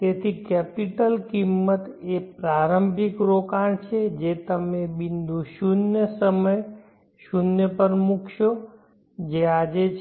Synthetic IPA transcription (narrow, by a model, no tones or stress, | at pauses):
t̪eːt̪ʰikɛpiʈəlkimːət̪epɾaːɾəmbʱikɾokaɳt͡ʃʰed͡ʒet̪əmẽbind̪ʱuʃunjəsəməj | ʃunjəpəɾmukʰjo | d͡ʒead͡ʒet͡ʃʰ